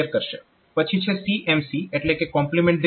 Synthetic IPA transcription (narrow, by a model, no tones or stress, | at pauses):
əɾkəɾʃe | pət͡ʃʰit͡ʃʰesiʔemsieʈlekekɔmplimẽɳʈ̚d̪